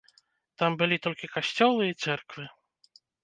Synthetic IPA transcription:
t̪ambɨlʲit̪ɔlʲkʲikaɕʲt͡sʲɔlˠɨit̪sɛrkvɨ

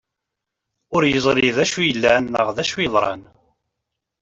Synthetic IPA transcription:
ʊɾjəzˤɾiðæʃujəlːænːə̰ʁðæʃujəðˤɾˤɑ̰n

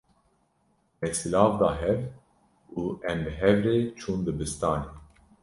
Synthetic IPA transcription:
mɛsɨlɑːvd̪ɑːɦɛv | uːɛmbɨɦɛvɾeːt͡ʃʰuːnd̪ɨbɨst̪ɑːneː

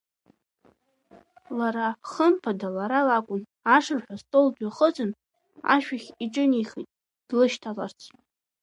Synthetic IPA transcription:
laɾaχəmpʰadalaɾalakʷʼʊn | aʂɨrħʷᶣastʼoldaχət͡sʷʼɨn | a̰ʃᶣaχʲiʈ͡ʂʼɨnijχḭtʼ | d̥lɨʃtʰalart͡sʰ

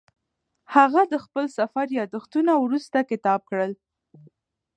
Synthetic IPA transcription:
haɣad̪əxpəlsafaɾjɑd̪əxt̪unawɾust̪akɪt̪ɑb̚kɽəl

